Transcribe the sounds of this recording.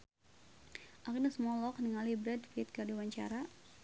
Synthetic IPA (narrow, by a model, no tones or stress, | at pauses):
ʔakinasmɔlɔk̚nəŋalibɾɛdfiɪt̪̚kadawaɲt͡ʃa̰ɾa